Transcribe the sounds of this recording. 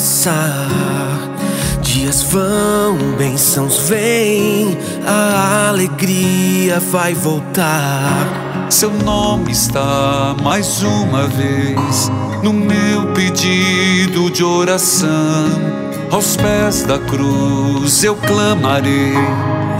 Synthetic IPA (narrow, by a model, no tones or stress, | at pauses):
sa | d͡ʒiɐzvɐw̃bẽj̃sɐ̃w̃zvẽj̃ | ɐaleɡɾiɐvajvowt̪a | sewnõmɪɪst̪amajzũmɐves | nʊmeewped͡ʒid̪ʊd͡ʒɪoɾasɐ̃ | awspɛzd̪ɐkɾuzewklɐmaɾej